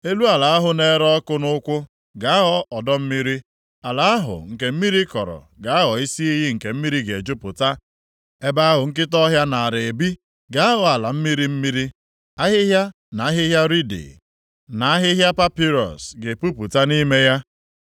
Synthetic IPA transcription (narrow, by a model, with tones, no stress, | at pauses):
e˦lu˦a˨la˨a˦ɦʊ˨ne˦ɾɔ˦kʊ˦nʊ˦ʊ˦kʷʊ˦ | ɡa˨a˦ɦɔ˦ɔ˨dɔ˦m̩˦mi˦ɾi˦ | a˨la˨a˦ɦʊ̰˨ŋ̩˨ke˨m̩˦mi˦ɾi˦kɔ̰˨ɾɔ̰˨ | ɡa˨a˦ɦɔ˨i˦si˦i˦ɦi˦ŋ̩˨ke˨m̩˦mi˦ɾi˦ɡe˨d͡ʒʊ˦pʊ˨ta˦ | e˦ba˦a˦ɦʊ˨ŋ̩˦k̬ɪ˦tɔ˦ɦja˦na˨a˨ɾe˨e˨bi˦ | ɡa˨a˦ɦʊ˨a˨la˨m̩˦mi˦ɾi˦m̩˦mi˦ɾi˦ | a˦ɦɪ˦ɦja˦ | na˨a˦ɦɪ˦ɦja˦ɾi˦dḭ˨ | na˨a˦ɦɪ˦ɦja˦pa˦pi˦ɾɔ̰˨sɡe˨pu˦pʊ˨ta˦ni˦me˦ja˦